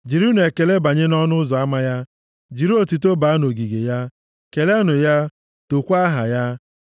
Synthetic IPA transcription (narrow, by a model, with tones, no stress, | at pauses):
d͡ʒi˨ɾu˦ne˨ke˨le˦ba˨ɲe˦nɔ˦nʊ˦zɔ˨a˦ma˦ja˦ | d͡ʒi˨ɾi˦o˨ti˨t̬o˦ba˨˦a˦no˨ɡi˨ɡe˨ja˦ | ke˨le˦a˦nʊ˨ja˦ | to˨kʷa˦ɦa̰˨ja˦